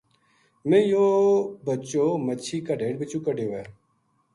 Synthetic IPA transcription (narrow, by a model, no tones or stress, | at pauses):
mẽːjoːbət͡ɕoːmət͡ɕʰiːkaɖeːɳbɪt͡ɕuːkəɖeʋeː